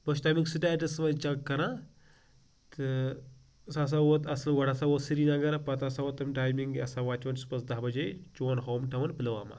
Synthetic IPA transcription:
boʃ̬t̪ɐmiksɨʈaːjʈɐsʋɐnt͡ʃɐkːɐɾa | t̪ɨ | sas̬awot̪ɐslʋɐɽasawot̪siɾinɐɡɐɾapɐt̪asawot̪ːɐmʈaːjmiŋɡɐsaʋaːt͡ʃɐnsu̥pɐsd̪ɐɦbɐd͡ʒet͡ʃoːnɦoːmʈɐʋɐnpɨlɐʋa̰ːma̰

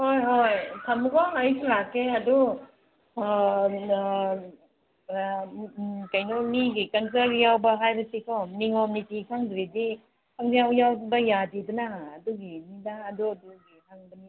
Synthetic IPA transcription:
hojɦojtʰamkɔajsʰɾakeɐdu | kajnɔmiɡikɐns̬aɡjawbɐɦajbɐsikʰɔniŋɔmnitikʰaŋdɾedi | kʰaŋdijawjawbɐjadidunaːduɡininaːduaduɡikʰaŋbɐni

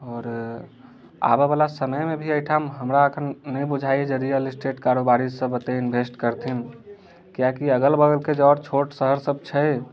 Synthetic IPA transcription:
ɔːɾ | a̰bəbəlasənəjmebʱiəʈʰamɦəmɾaəkʰənːəj̃bud͡ʒʱajed͡ʒəɾijəlisʈeʈkaɾobaɾid͡ʒsə̃bət̪einbʱesʈkəɾt̪ʰin | kijakiəɡəlbəɡəlked͡ʒɔːɾt͡ʃʰoʈsəɦəɾsəb̚t͡ʃʰəj

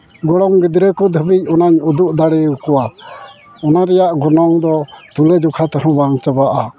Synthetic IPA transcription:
ɡɔɽɔŋɡid̪ɾɛkɔd̪ʱəbic̚ˀɔnaɲud̪uʔd̪aɽɛwkɔwa | ɔnaɾɛjaʔɡɔnɔŋd̪ɔt̪ulɛd͡ʒɔkʰat̪ɛɦɔ̃baŋt͡ʃəbaʔa

